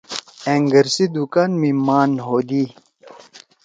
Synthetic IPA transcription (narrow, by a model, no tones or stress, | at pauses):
eŋɡɐɾsid̪ukaːnmimaːnɦoːd̪i